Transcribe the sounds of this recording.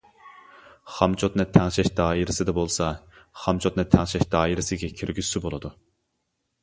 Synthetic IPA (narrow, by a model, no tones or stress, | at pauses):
χɑmt͡ʃʰot̪nɨt̪ʰɛŋʃɛʃd̪ɑːiɾɪsɪd̪ɛbolˠsɑ | χɑmt͡ʃʰot̪nɨt̪ʰɛŋʃɛʃd̪ɑːiɾɪsɪɡʲɛkʲʰiɾɡʲysːybolˠɨd̪u